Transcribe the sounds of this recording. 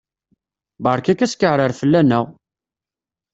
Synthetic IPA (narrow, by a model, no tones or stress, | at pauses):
bəɾˤkækæskəʕɾəɾfəlːænəʁ